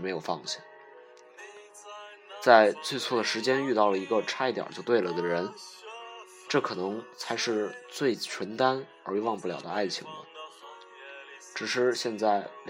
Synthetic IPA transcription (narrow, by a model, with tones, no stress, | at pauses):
me˧˥ɪjo˨˩ʊfɑ˥˧ŋɕi˩ | t͡sa˥˧ɪt͡swe˥˧ɪt͡sʰwɔ˥˩d̪ə˩ʂɻ̩˧˥t͡ɕjɛ˥ny˥˧t̪ɑ˥˩ʊlə˩i˧˥ɡə˧ʈ͡ʂʰa˥i˧˥t̪jɑ̰˨˩t͡ɕjo˥˧ʊt̪we˥˩ɪlə˩d̪ə˩ɻə˧˥n | ʈ͡ʂɤ˥˩kʰɤ˨˩nɤ˧˥ŋt͡sʰa˧˥ɪʂɻ̩˥˧t͡swe˥˩ɪt͡ɕʰɥə˧˥nt̪a˥n | ə˞˧˥y˥wɑ˥˧ŋpu˥˩ljɑ̰˨˩ʊd̪ə˦a˥˩ɪt͡ɕʰḭ˧˥ŋlə̰˧ | ʈ͡ʂɻ̩˨˩ʂɻ̩˥˧ɕjɛ˥˧nt͡sa˥˩ɪl